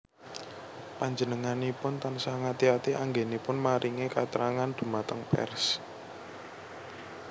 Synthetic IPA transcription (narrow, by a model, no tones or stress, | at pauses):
paɲd͡ʒənəŋanepʊnt̪ansaŋat̪iat̪iʔaŋɡenepʊnmaɾʔiŋekat̪əɾaŋand̪̥ṳmat̪əŋpɛ̰rs